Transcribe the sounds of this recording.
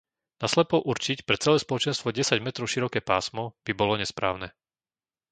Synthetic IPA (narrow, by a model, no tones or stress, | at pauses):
naslɛpɔʔuɾt͡ʃicpɾɛt͡sɛlɛːspɔlɔt͡ʃɛnst̪ʋɔɟɛsaɟmɛt̪ɾɔʊʃiɾɔkɛːpaːsmɔb̥ibɔlɔɲɛspɾa̰ːʊnɛː